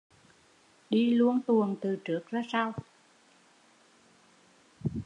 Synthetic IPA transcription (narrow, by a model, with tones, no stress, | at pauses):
ɗi˧lu˧ənt̪u˨˩ənt̪ɨ˨˩t͡ɕɨ˨˦˥ək̚zaː˧sa˧w